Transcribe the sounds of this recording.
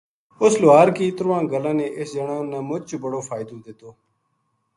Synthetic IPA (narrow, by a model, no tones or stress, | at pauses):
ʊslʊaːɾkiːt̪əɾʋãːɡəlãːnẽːʔɪsd͡ʒəɳãːnãːmʊt͡ʃbəɽoːfʰaːɪd̪oːd̪ɪt̪oː